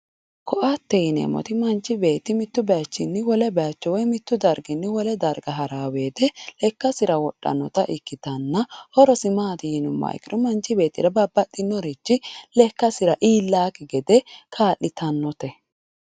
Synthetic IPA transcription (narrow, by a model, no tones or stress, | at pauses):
kʰɔʔat̪ːɛjnḛmɔ̰t̪ɪmɐnt͡ʃːɪbe̞ːt̪ːɪmɪt̪ːʊbɛat͡ʃːɪnːɪwɔlɛbɛat͡ʃːɔwɔjmɪt̪ːʊd̪ɐɾɡɪnːɪwɔlɛd̪ɐɾɡɐɦɐɾaːweːd̪ɛlɛkːɐsɪɾɐwɔɗːɐ̰nːɔt̪ɐʔɪkːɪt̪ɐnːɐɔɾɔsɪmaːd̪ɪjɪnʊmːɐ̰j̰kɪɾʊmɐnt͡ʃːɪbe̞ːt̪ːɪ̰ɾɐbɐbːɐt̪ːɪnːɔɾit͡ʃːɪlɛkːɐsɪɾɐʔiːlːaːkɪɡɛd̪ɛkʰaːʔːɪt̪ʰɐnːɔt̪ɛ